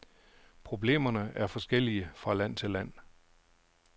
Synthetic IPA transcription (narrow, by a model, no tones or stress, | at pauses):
pʰʁo̝b̥le̝̰ːmɐnəæɐfɒ̽sɡ̥el̰iəfʁɑ̈læn̰t͡sʰe̝læn̰